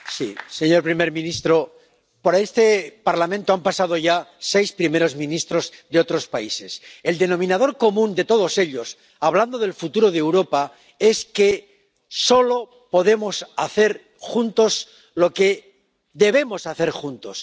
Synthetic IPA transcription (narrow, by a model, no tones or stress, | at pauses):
sḭse̞ɲo̞ɾpɾime̞ɾmĩnist̪ɾo̞ | poɾaest̪e̞paɾlamẽnt̪oampasað̞o̞ʝase̞jspɾime̞ɾo̞zmĩnist̪ɾo̞zðeo̞t̪ɾo̞spaise̞se̞ld̪e̞nõ̞mĩnað̞o̞ɾko̞mũnd̪e̞t̪o̞ð̞o̞se̞ʎo̞s | aβ̞land̪o̞ð̞e̞lfut̪uɾo̞ð̞ewɾo̞pa | e̞ske̞ | so̞lo̞ | po̞ðe̞mo̞saθe̞ɾ | xunt̪o̞s | lo̞ke̞ | ðe̞βe̞mo̞saθe̞ɾxunt̪o̞s